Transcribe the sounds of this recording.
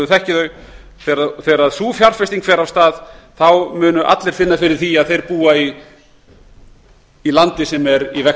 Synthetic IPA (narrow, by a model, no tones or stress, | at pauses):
ʏθɛhcɪðœɥ | θɛɾaθɛːɾaðsuːfjaɾ̥fɛst̪iŋkfɛːɾav̥st̪aːðθawmʏːnʏʔa̰t̪lɛɾ̥fɪnːafɪɾɪɾ̥θiaðθejɾpuːai | lant̪ɪsɛmɛɾivɛ